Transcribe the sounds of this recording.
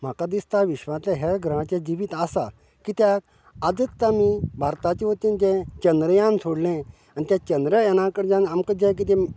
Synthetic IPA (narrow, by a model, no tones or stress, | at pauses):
m̤akad̪ist̪aʋiɕʋãtlaɦaɡʱɾəãt͡ɕjad͡ʑiʋit̪asa̰ | kit̪jak | ad͡zət̪ːamibʱaɾt̪at͡ɕiʋot̪ĩnt̪ɛ̃t͡ɕənd̪ɾəjãnsʰoɽlɛ̃ | anit̪jãt͡ɕənd̪ɾəjɛnãkəɽd͡ʑãnamkəd͡ʑãk̬it̪̬ɛ̃